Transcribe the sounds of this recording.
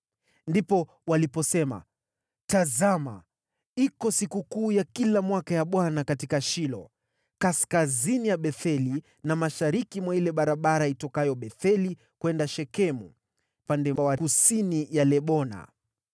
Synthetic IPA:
ndipɔ | walipɔsɛma̰ | tazama̰ | ikɔsikukuːjakilamwakajaɓwanakatikaʃilɔ̰ | kaskazinijaɓɛθɛli | namaʃaɾikimwailɛɓaɾaɓaɾaitɔkajɔɓɛθɛli | kwɛndaʃɛkɛmṵ | pandɛwakusinijalɛɓɔna̰

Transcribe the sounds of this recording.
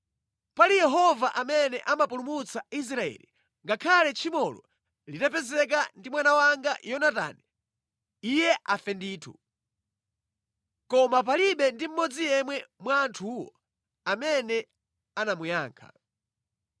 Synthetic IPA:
palijɛɦɔvaʔamɛnɛʔamapulumut͡sais̬ɾaɛ̰lḭ | ŋɡakʰalɛt͡ʃʰimɔlɔ̰ | litapɛzɛk̬andimwanawaŋɡajɔnata̰nɛ | ijɛʔafɛndiːtʰu | kɔmap̬aliɓɛndim̩mɔd͡zijɛmwɛmwaːntʰuːwɔ̰ | amɛnɛ | anamujaːŋkʰa̰

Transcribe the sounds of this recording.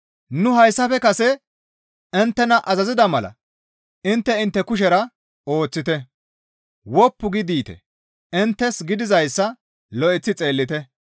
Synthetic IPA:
nʊɦɐjsːɐfɛkɐsɛ | ɪnt̪ːɛnɐʔɐzɐzɪd̪ɐmɐlɐ̰ | ɪnt̪ːɛɪnt̪ːɛkʊʃ̬ɛɾɐ | o̞ːt͡sːɪt̪ɛ | wɔpːʊɡɪd̪iːt̪ɛ̰ | ɪnt̪ːɛsɡɪd̪ɪzɐjsːɐ | lɔʔɪt͡sːɪt͡sʼe̞ːlːɪt̪ɛ

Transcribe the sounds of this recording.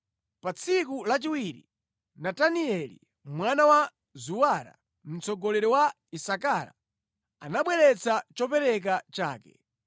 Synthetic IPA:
pat͡sʰikulat͡ʃiwiɾi | nataniɛlḭ | mwanawa | zuwaɾa̰ | m̩t͡sɔɡɔlɛɾɔwa | isakaɾa̰ | anaɓwɛɾɛt͡sʰat͡ʃɔpɛɾɛk̬at͡ʃa̰ːkɛ

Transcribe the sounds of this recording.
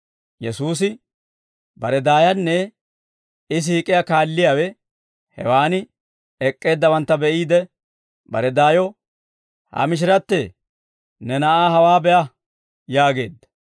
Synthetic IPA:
jɛsuːs̬ɪ | bɐɾɛd̪aːjɐnːɛ | ɪs̬iːkʼːɪjakaːlːɪjaːwɛ | hɛ̰waːnɪ | ɛkʼːe̞ːd̪ːɐbɐnt̪ːɐbɛʔiːd̪ɛ | bɐ̰ɾɛd̪aːjɔ | hɐ̰mɪʃ̬ɪɾɐt̪ːe | nɛnɐʔaːɦɐwaːbɛʔɐ | jaːɡe̞̰ːd̪ːɐ̥

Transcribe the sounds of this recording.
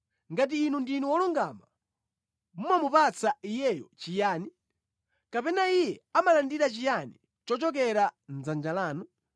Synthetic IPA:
ŋɡat̬iːnundinuwɔluŋɡaːma | mumamupat͡saijɛjɔt͡ʃijaːni | kapɛnaijɛamalandiɾat͡ʃijani | t͡ʃɔt͡ʃɔk̬ɛɾand͡zand͡ʒalaːnu

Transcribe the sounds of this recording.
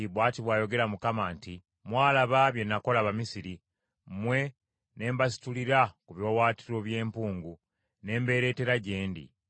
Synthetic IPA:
iβwaːtiβwaːjo̞ɡe̞ɾamukamaːnti | mwaːlaβaβje̞nːako̞laβamisiɾi | mwe̞ | ne̞ːmbasi̥tuliɾakuβjo̞ːwaːtiɾo̞βje̞ːmpuːŋɡu | ne̞ːmbe̞ːɾe̞ːte̞ɾaɟe̞ːndḭ

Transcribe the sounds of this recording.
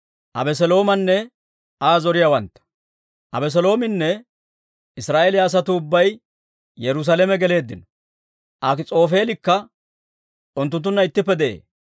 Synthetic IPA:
ʔɐ̰bɛs̬ɛlo̞ːmɐnːɛ | aːzɔɾɪjawɐnt̪ːɐ̥ | ʔɐbɛs̬ɛlo̞ːmɪnːɛ | ɪsɾaːʔelɪaːs̬ɐt̪ʊʊbːɐj | jɛɾʊs̬ɐlɛmɛɡɛle̞ːd̪ːɪnɔ̥ | ʔakɪt͡sʼo̞ːfe̞ːlɪkːɐ | ʊnt̪ːʊnt̪ːʊnːɐɪt̪ːɪpːɛd̪ɛʔḛː

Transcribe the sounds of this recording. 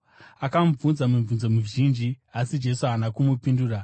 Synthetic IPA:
akamb͡vunzamuɱvunzo̞muʒind͡ʒiasid͡ʒe̞suɦanakumupinduːra

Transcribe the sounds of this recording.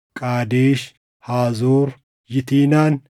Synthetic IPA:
kʼaːd̪eːʃ | haːzoːɾ | jɪt̪iːnaːn

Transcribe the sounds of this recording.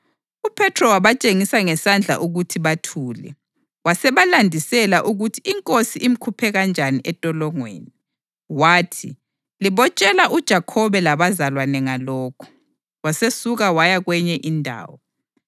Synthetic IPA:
upʰɛtʰrɔwaβat͡ʃʼeŋisaŋɛsand͡ɮʱa̰ʔuɣutʰiβatʰuːlɛ̰ | wasɛβalandʱisɛlaʔuɣutʰiiŋkʼosiʔim̩kʰupʰɛɣand͡ʒʱaniʔɛtʼɔlɔŋwḛːni | waːtʰi | liβɔt͡ʃʼɛlaʔud̥ʒ̥ʱakʰɔβɛlaβazalwanɛŋalɔːkʰɔ̥ | wasesuɣawajaɣwɛɲɛʔindʱa̰ːwɔ

